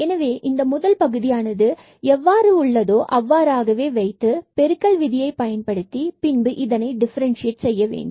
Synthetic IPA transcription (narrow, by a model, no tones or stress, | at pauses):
ɛnɐʋeːʔɪnd̪ɐmʊðɐlpɐɣɯðɪjaːnɐðɯ | ɛʋːaːɾɯʊɭːɐðoːʔɐʋːaːɾaːɣɐʋeːʋɐɪt̪ːɯpɛɾɯkːɐɭʋɪðɪjɐɪpɐjɐnpɐɽɯt̪ːipɪnbɯʔɪðɐnɐɪɖɪfɐɾɐnʂɪjɛʈsɛjːɐʋḛːɳɖɯm